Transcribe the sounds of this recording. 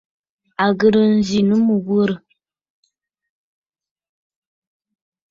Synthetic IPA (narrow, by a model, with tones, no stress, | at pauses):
a˨ɣə˨ɾə˨n̩˨zi˨nə˦mə˨wə˦ɾə˨